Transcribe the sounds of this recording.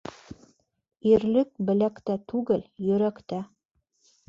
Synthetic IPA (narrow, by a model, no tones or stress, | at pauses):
iɾlɘk̚bɘ̆lækt̪æt̪ʰuɡɘljɵɾækt̪æ